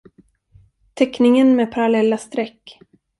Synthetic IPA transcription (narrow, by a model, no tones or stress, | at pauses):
t̪ʰɛknɪŋənmeːpʰaɾalɛlːast̪ɾɛkː